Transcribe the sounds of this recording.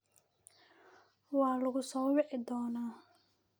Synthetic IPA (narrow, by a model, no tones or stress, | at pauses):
wɑːlɐɣʊsɔːwɛʕɪd̪ɔːnaː